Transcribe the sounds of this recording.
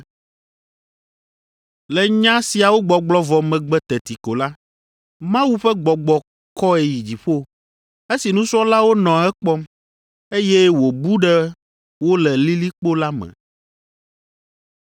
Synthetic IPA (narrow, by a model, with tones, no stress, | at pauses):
lɛ˨ɲã˦si˨a˨wo˦ɡ͡bɔ˨ɡ͡blɔ˦vɔ˨mɛ̃˨ɡ͡bɛ˨t̪ɛ˨t̪i˨ko˨la˦ | mã˦wu˦ɸɛ˦ɡ͡bɔ˨ɡ͡bɔ˨ | kɔ˦ɛ˨ji˨d͡ʑi˨ɸo˦ | e˦si˨nũ˦sɔ˦la˦wo˦nɔ̃˨ɛ˦k͡pɔ˦m | e˦jɛ˦wo˨bu˦ɖɛ˦ | wo˦lɛ˨li˦li˦k͡po˦la˦mɛ̰̃˨